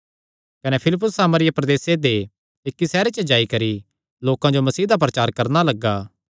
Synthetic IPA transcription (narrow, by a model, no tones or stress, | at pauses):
kɐnɛpʰɪlɪp̬ːʊsːaːməɾɪjapɾɐd̪eːsed̪e | ekːisɛːɾet͡ʃəd͡ʒaːikɐɾi | loːkãd͡ʒomɐsiːd̪ap̬ɾɐt͡ʃaːɾkɐɾnalɐɡːaː